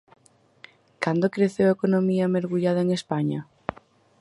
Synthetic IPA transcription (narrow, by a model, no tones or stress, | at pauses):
kand̪okɾeθewekonomiameɾɣuʎaðɐeŋespaɲa